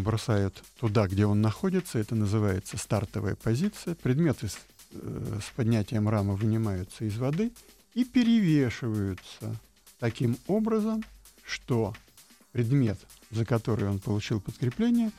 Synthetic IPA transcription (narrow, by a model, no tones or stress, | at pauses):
bɾɐsajʊt̪ːʊd̪aɡdʲeo̞nːɐxo̞dʲɪt̪səɛt̪ənəzɨvajɪt̪səst̪art̪əvə̰jə̰pɐzʲit̪sɨjəpɾʲɪd̪mʲe̞t̪ɨ | spɐdʲnʲætʲɪjəmraməvɨnʲɪmajʊt̪səɪzvɐd̪ɨ | ipʲɪɾʲɪvʲeʂɨvəjʊt̪sə̰ | t̪ɐkʲimo̞bɾəzəm | ʂt̪o̞ | pɾʲɪd̪mʲe̞t̪ | zəkɐt̪o̞ɾɨ̰jo̞npəlˠʊt͡ɕilˠpəskɾʲɪplʲenʲɪjə